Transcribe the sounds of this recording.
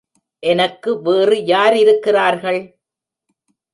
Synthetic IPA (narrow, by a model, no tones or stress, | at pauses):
ʔɛnɐkːɯʋeːrɯjaːɾɪɾɯkːɪraːɾɣɐɭ